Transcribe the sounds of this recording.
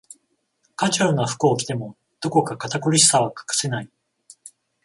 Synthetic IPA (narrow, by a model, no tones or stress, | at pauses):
kat͡ɕonaɸɯ̟̥kɯ̟okʲi̥t̪e̞mo̞ | d̪̥o̞ko̞kakat̪akoɾʲisi̥saβ̞akḁkɯ̥se̞nai